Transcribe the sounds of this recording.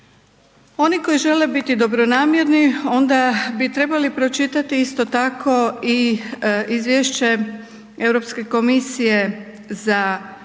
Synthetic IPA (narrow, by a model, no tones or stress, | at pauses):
o̞niko̞jiʒe̞le̞bit̪id̪o̞bɾo̞naːmje̞ɾnio̞nd̪abit̪ɾe̞balipɾo̞t͡ʃit̪at̪iist̪o̞t̪akʰo̞i | izʋjeʃt͡ɕe̞ | e̞wɾo̞pske̞ko̞misije̞ | za